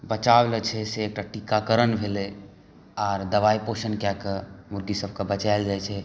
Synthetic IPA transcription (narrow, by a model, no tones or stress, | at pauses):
bət͡ʃablɛt͡ʃʰɛseːk̚ʈaʈikakəɾənbʱele | aɾd̪əʋaiposənkjakemuɾɡisəb̚ʱkebət͡ʃajld͡ʒajt͡ʃʰɛ